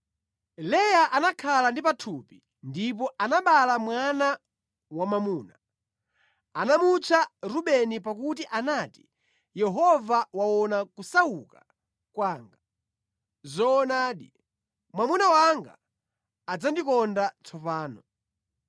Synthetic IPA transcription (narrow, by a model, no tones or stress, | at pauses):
lɛjaʔanakʰalandip̬atʰupi | ndipɔanaɓalamwana | wamamuːna | anamut͡ʃʰaɾuɓɛnipakutiʔanaːti̥ | jɛɦɔvawaɔnakusauka | kwaːŋɡa | zɔːnaːɗi | mwamunawaŋɡa̰ː | d͡zandikɔndat͡sʰɔpaːnɔ